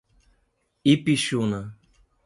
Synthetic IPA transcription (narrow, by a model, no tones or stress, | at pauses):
ipiʃuna